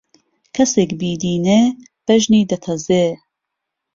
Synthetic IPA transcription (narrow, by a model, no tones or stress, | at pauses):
kʰɐseːkbiːd̪iːneː | b̥ɐʒniːd̪ɐt̪ʰɐzeː